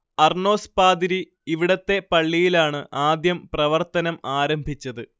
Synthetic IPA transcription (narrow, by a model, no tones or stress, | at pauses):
ɐrɳo̞ːspaːd̪iɾi | iʋiɽɐt̪ːe̞pɐɭːijilaːɳɨʔaːd̪jɐmprɐʋɐrt̪ɐnɐmaːɾɐmbʱit͡ɕːɐðɨ